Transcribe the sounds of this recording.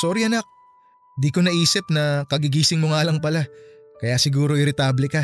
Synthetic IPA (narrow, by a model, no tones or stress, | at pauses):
so̞ːɾiʔɐnak̚ | d̪iko̞nɐʔiːsɪp̚nɐkɐɡɪɡiːsɪŋmoŋaːlɐŋpɐla | kɐjasɪɡuːɾo̞ʔɪɾɪt̪aːblɪka